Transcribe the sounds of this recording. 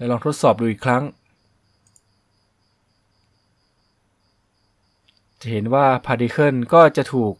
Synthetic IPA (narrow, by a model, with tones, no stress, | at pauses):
lɛː˦˧˥lɔː˧ŋt̪ʰo˦˥t̪̚sɔː˨˩p̚duː˧˩iː˨˩kʰɾa˦˥ŋ | t͡ɕa˨˩ɦe˩˦nwaː˥˩pʰaː˧diː˧kʰɤ˥˩nkɔː˥˩t͡ɕa˨˩ʔt̪ʰuː˨˩k̚